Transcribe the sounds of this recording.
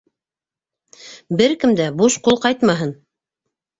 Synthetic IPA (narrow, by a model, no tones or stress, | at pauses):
bɘɾkɘ̆md̪æbuʃqulˠqɑjt̪mɑɦɤn